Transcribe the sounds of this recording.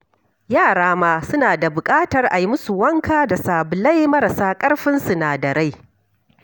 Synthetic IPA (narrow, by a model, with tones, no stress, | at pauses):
jaː˦˨ɽaː˦maː˦sʊ˦naː˨da˨bʊ˨kʼaː˦tɐ˨rʔa˨ji˦mʊ˦su˨wɐ˦ŋkaː˦da˨saː˨bʊ˨la˦jmɐ˦ɾa˨saː˦kʼɐ˦ɽɸɪ˦nsu˨naː˨dɐ˨ɽa˦j